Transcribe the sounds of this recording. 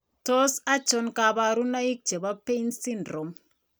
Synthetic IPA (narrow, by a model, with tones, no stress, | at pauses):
to˦sa˦t͡ʃɔ˦nka˨ba˨ɾu˦na˦i˦k̚t͡ʃe˨ba˦pe˦nsi˦ndɾɔ˨m